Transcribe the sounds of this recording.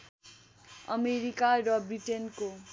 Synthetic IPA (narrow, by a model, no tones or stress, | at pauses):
ʌmeɾikaɾʌbriʈenko